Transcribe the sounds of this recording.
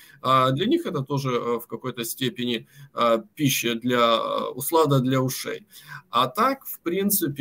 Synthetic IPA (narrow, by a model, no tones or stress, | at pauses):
ad̪lʲɐnʲixɛt̪ət̪o̞ʐɨfkɐko̞jt̪əsʲtʲepʲɪnʲɪ | pʲiɕːɪd̪lʲɐ̰ʊslˠad̪əd̪lʲɐʊʂḛjɐt̪akfpɾʲint̪sɨpʲ